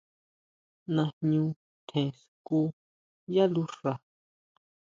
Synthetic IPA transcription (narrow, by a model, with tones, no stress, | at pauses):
nã˧ɲũ˧ | t̪ʰẽ˨s | ku˦ | ja˦lu˦ʂa˨